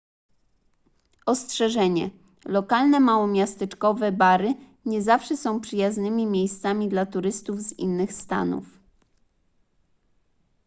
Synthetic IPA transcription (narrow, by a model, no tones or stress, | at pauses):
ɔstʂɛʐɛɲɛ̰ | lɔkalnɛmawɔmʲjast̪ɛt͡ʂkɔvɛbaɾɘ | ɲɛzafʂɛsɔ̃w̃pʂɘjaznɘmʲimʲjejst̪samʲid̪lat̪uɾɘst̪uvzḭnːɘxst̪a̰nṵf